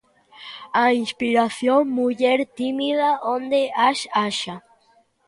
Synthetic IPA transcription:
ainspiɾaθjonmuʝeɾt̪imiðaʔond̪eʔaʃaʃa

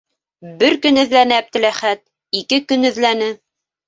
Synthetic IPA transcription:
bɘɾkɵnɘ̆ðlænɘæb̚d̪ɘ̆læχæt̪̚ | ikɘkɵnɘ̆ðlænɘ

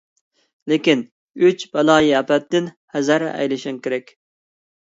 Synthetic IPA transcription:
lɪkʲin | yt͡ʃbɛlˠɑːjiɑpɛt̪ːɪn | hæzæɾ̰ɛ̰jlɪʃɪŋkʲeɾɛkʲ

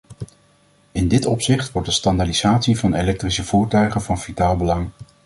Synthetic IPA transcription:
ɪndɪtɔpsɪχtʋɔɹdəstɑndaːdiz̥aːtsivɑnelɛk̚trisəv̥uːɹtœɥχənvɑnvitaːlˠbəlɑŋ

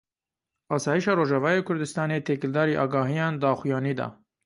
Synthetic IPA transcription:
ɑːsɑːjiʃɑːɾoːʒɑvɑːjeːkʰʊɾd̪ɨst̪ɑːneːt̪ʰeːkɪld̪ɑːɾiːʔɑːɡɑːɦijɑːnd̪ɑːxujɑːniːd̪ɑ̰ː

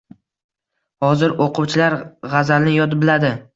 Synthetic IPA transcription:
hɒzɪɾoqʰʊwt͡ʃʰɪlaɾʁazalnɪjɒt̪ɪbɪlad̪ɪ

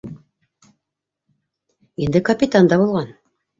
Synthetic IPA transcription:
ind̪ɘkɐpʲit̪and̪ɑbulˠʁɑn

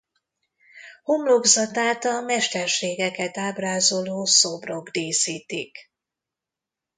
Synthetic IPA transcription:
homlo̞ɡzɒt̪aːt̪ɒmɛʃt̪ɛrʃeːɡɛkɛt̪aːbraːzo̞loːsobro̞ɡd̪eːsiːt̪ik

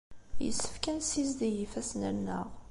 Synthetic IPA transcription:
jə̰sːə̥fkænsizd̪ijifæsnænːə̰ʁ

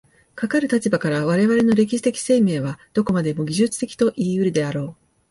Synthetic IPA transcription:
kakaɾɯ̟t̪at͡ɕibakaɾaβ̞aɾe̞βaɾe̞no̞ɾe̞kʲiɕi̥t̪e̞kʲi̥se̞ːme̞ːβ̞ad̪̥o̞ko̞mad̪e̞mo̞ɡʲiʑɨt͡sɨ̥t̪e̞kʲi̥t̪o̞ʔiːɯ̟ɾɯ̟d̪e̞aɾo̞ː

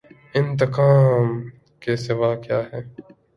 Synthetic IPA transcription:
ɪ̃nt̪̬ɪqaːm | kesɪʋaːkjaːɦɛː

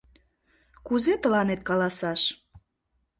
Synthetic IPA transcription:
kuzet̪əlɑnet̪̚kɑlɑsɑʃ

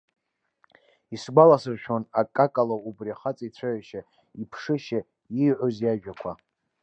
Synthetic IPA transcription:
isɡʷalasɨrʃᶣanakʼakʼalaubriaχat͡sʼait͡sʷʰaʕaʃa | ipʰʂɨʃa | iʕʷozjaʒᶣakʷʰa

